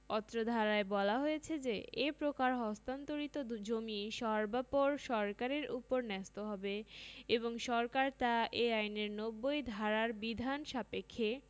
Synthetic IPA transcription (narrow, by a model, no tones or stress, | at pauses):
ɔt̪ːɾod̪ʱaɾaebɔlaɦojet͡ɕʰed͡ʑeepɾokaɾɦɔst̪ant̪oɾit̪od͡ʑomiʃɔɾbapoɾʃɔɾkaɾeɾupoɾnɛst̪oɦɔbeeboŋʃɔɾkaɾt̪aʔeajneɾnobːojd̪ʱaɾaɾbid̪ʱanʃapekʰːe